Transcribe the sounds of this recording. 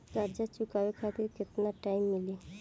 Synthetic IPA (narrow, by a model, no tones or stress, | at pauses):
kəɾd͡ʒat͡ʃukabekʰat̪iɾkɪt̪naʈaimːili